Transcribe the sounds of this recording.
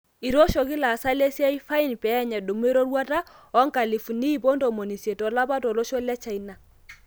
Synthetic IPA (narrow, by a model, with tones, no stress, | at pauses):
i˨ɾo˦ʃo˨kɪ˦la˨sa˦lɛ˦sja˦i˦fa˦i˦npɛː˨˦ɲɛ˨ɗo˨m˦e˦ɾo˦ɾwa˦ta˦ɔ˦ŋka˨li˨fu˨ni˦˨bo˦ndo˨mo˨ni˨sje˨tɔ˨la˦pa˦tɔ˨lo˦ʃɔ˦lɛ˦t͡ʃa˦˨i˦na˨